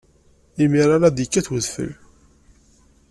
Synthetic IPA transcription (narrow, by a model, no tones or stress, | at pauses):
imiɾˤaɾaðikːæθwəðfə̰l